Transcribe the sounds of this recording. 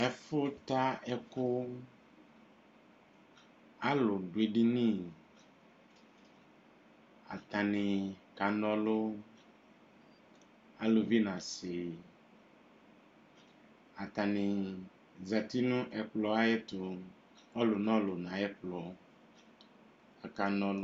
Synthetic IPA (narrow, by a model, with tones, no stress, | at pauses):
ɛ˦fʊ˦t̪a˦ɛ˦ko˦ | a˦lo˨ɖu˨e˨ɖi˦nĩ˦ | a̰˨t̪ã˨nɪ̃˨ka˨nɔ̃˦lo˦ | a˦lʊ˨vi˦nã˨sɪ˨ | a˨t̪a˨nɪ̃˨ | za˨t̪i˦nʊ̃˦ʔɛ˨k͡plɔ˨a˦je˦t̪ʊ˨ | ɔ˦lʊ˨nɔ̃˦lʊ˨nã˨ɛ˦k͡plɔ˨ | a˨ka˨nɔ̃˨l